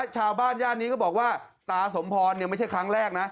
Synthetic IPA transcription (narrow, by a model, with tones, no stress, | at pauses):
t͡ɕʰaː˧wbaː˥˩njaː˥˩t̪̚niː˦˥kʰɔ˥˩bɔː˨˩k̚waː˥˩t̪aː˧so˩˦mpʰɔː˧nːi˥˩ma˥˩t͡ɕʰa˥˩kʰɾa˦˥ŋɾɛː˥˩k̚na˦˥